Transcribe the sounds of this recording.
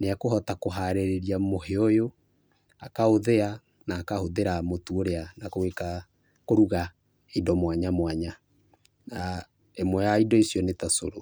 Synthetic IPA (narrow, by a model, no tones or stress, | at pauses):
neakoɦɔtakoɦaɾeɾeɾiamoɦeɔjo | akaoðea | naːkahoðeɾamotuoɾeanakoeka | koɾuɣa | idɔmwaɲamwaɲa | na | emwɛjaidɔisjɔnetaso̰ɾo